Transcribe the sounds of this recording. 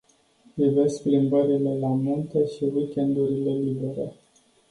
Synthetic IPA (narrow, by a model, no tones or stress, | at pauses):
ivesplimbəɾile̞lamunt̪əʃiwikʲe̞nd̪uɾile̞libe̞ɾḛ